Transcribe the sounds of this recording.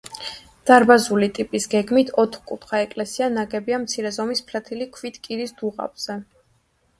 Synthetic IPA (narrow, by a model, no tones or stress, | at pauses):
d̪̥aɾbazulit̪ʼipʼisɡɛɡmit̪ʰɔt̪ʰχkʼup̪ʰχaɛkʼlɛsianaɡɛbiamt̪sʰiɾɛzɔmispʰlat̪ʰilikʰvit̪kʼiɾisd̪̥uʁa̰bz̥ɛ